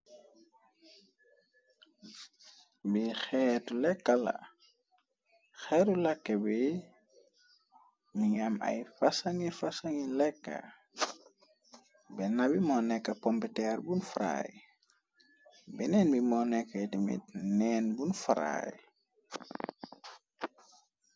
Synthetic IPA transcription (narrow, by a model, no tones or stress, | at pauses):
bixɛtulɛkːala̰ | xɛɾulakːebi | miɲama̰jfasaŋifasaŋilɛkːa̰ | bɛnabimɔnɛkːɐpɔmpɛtɛrbunfaɾa̰j | bɛnɛnbimɔnɛkːɐjtimḭt̚nɛːnbunfaɾa̰j